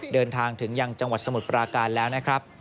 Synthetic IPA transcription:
dɤː˧nt̪ʰaː˧ŋt̪ʰɯ˩˦ŋja˧ŋt͡ɕa˧ŋwa˨˩t̪̚sa˧mu˨˩t̪̚pɾaː˧kaː˧nlɛː˦˥wna˦˥kʰɾa˦˥p̚

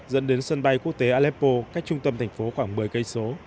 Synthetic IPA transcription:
zə̰˧˥nɗe˨˦nsə˧nɓa˧jku˦˥ək̚t̪e˨˦ʔaː˧lɛ˦˥pːo˧kaː˦˥k̚t͡ɕʊ˧ŋ͡mt̪ə˧mt̪ʰɛ˨˩ŋ̟fo˨˦xwaː˧˩ŋmɨ˨˩əjkə˧jso˨˦

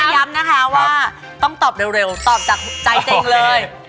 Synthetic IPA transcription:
ja˨˧˦mnaː˨˥kʰaː˨˦˥waː˧ | t̪ɔ˧˩ŋ͡mt̪ɔː˨˩p̚ɗeː˨˩wɾe˨˩wt̪ɔː˨˩p̚t͡ɕaː˨˩k̚ɓ̚t͡ɕa˧˩t͡ɕe˧ŋləː˧j

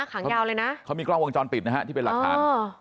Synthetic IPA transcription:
a˥˩kʰaː˩˦ŋ˦˥jaː˧wlɤː˧jna˦˥ʔkʰa˦˥wmiː˧klɔ˥˩wo˧ŋt͡ɕɔː˧npi˨˩t̪̚na˦˥ɦa˦˥t̪ʰiː˥˩pe˧laː˨˩˧a̰ː˨˦n

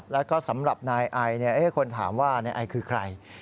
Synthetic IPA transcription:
p̚lɛː˦˥wkɔː˥˩sa˩˦mɾa˨˩p̚naː˧jʔa˧jni˥˩ɐʔeː˦˥˩kʰo˧nt̪ʰaː˩˦mwaː˥˩naː˧jʔa˧jkʰɯː˧kʰɾa˧j

